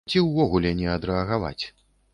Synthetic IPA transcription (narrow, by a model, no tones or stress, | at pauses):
t͡sʲiwvɔɣulʲɛnʲɛɐd̪ɾɛɐɣava̰t͡sʲ